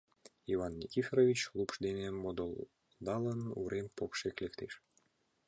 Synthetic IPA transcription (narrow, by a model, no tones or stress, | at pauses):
ivɑnːʲikʲifʲeɾovʲit͡ɕklˠupʃd̪enemod̪ol | d̪ɑlənṵɾempokʃeklʲekt̪eʃ